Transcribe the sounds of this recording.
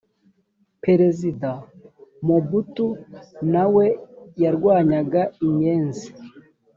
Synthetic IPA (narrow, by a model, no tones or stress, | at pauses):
peɾe̞zidamobutunawe̞jaɾɡwaːɲaɡaimɲeːnzi